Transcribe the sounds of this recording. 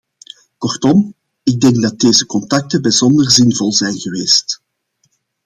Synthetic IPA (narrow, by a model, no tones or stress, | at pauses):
kɔrtɔm | ɪɡ̚dɛŋɡ̚dɑt̚deːzəkɔntɑk̚təbəzɔndərzɪnvɔlˠzɛjnɣəʋeːst